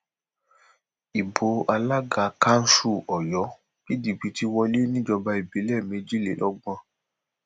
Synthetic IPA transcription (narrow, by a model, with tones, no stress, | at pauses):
i˨bo˨˦a˧la˦ɡa˨˦ka˦n̩˦ʃu˦˨ɔ˨jɔ˨˦ | ki˦di˨bi˨˧˦ti˦wɔ˧le˦nĩ˦d͡ʒɔ˧ba˧i˨bi˨˦lɛ˦˨mẽ˨˧˦d͡ʒi˦˨lḛ˨lʔɔ˦ɡ͡bɔ̃˧˦